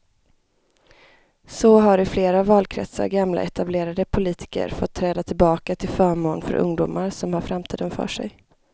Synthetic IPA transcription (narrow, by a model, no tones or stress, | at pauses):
sɔɦaɾɪfleːɾavɑːlkʰɾɛ̰t̪sa̰ɾɡamla̰ɛt̪ableːɾad̪əpʰʊliːt̪ʰɪ̥kə̰ɾfɔt̪ʰːɾɛːd̪at̪ʰɪlbɑːkat̪ʰɪlfœːɾmoːnfœ̰ɾʔɵ̰ŋd̪ʊːmʔaɾsɔmhaɾfɾamt̪ʰiːd̪ənfœ̰ːʂɛ̰j